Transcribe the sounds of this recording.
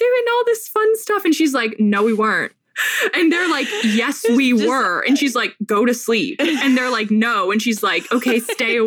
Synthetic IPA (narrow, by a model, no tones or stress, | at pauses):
ðə˞ɨ̃nɔlˠðɪsfʌ̃nstʌfɨ̃nʃizlaɪknoʊwiwɜ˞ɨ̃nt̚ | ɨ̃nðə˞laɪkjɛswiwə˞ɨ̰̃nʃizlaɪk̚ɡ̥oʊɾɨslipɨ̃nðə˞laɪk̚noʊɨ̃nʃizlaɪkoʊkʰeɪsteɪ